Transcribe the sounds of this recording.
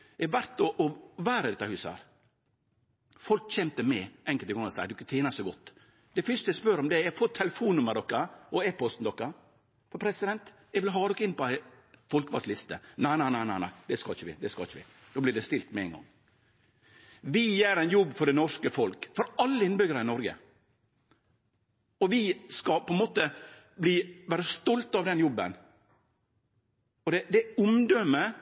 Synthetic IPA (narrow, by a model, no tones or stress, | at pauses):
ɛʋæɾt̪ɔʔɔʋæːɾəd̪ɛt̪ːɑhʉːshæ̰ːɾ | fɔlkc͡çɛmt̪əmɛʔɛŋkəlt̪ɪɡɔŋɑsæɪd̪ʊkːət̪ʰeːnɑsɛɡɔt̪ː | d̪̥ɛfœʂt̪əjɛspœɾɔmd̪ɛɾæɡfoːt̪ʰːɛləfuːnːʉməɾɖ̪ɔkːəɔeːpɔst̪n̩d̪ɔkːɑ | fɔɾpʰɾɛsɪd̪ɛnt̪ | ɛɡʋɪlɦɑːd̪ɔkːəɪnpɔæɪ | fɔlkəʋɑ̰slɪst̪ənæɪnæɪnæɪnæɪæ̰ɪd̪ɛskɑːçəʋɪ̰d̪ɛskɑ̰ːɪçəʋɪ̰ | d̪oːblɪɖɛst̪ɪlt̪mɛɛ̰ŋɡɑ̰ŋː | ʋɪjeɾɛɪnjɔbːfɔɖɛnɔʂkəfɔlkfɔɾɑlːəɪnbʏɡəɾəɪnɔɾɡə̰ | ɔʋɪskɑpɔɛnmoːt̪ə | bliːʋæːɾəst̪ɔlt̪ɑʋd̪ɛnjɔbːə̰n | ɔd̪ɛd̪ɛʊmd̪ømə